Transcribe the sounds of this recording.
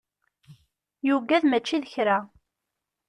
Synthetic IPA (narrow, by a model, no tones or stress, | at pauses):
juɡæðmæt͡ʃːiðəçɾæ